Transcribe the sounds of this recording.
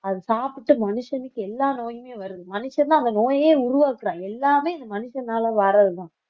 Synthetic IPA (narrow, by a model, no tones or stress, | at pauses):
ɐðɯsaːpɪʈːɯmɐnɯʂɐnɪkːɯɛlːaːnoːjɯmeːʋɐɾɯðɯmɐnɯʂɐnt̪ãːɐnd̪ɐnoːjeːʊɾʊʋaːkːɯɾãːɛlːaːmeːɪnd̪ɐmɐnɯʂɐnaːlɐʋɐɾɐðɯt̪ãː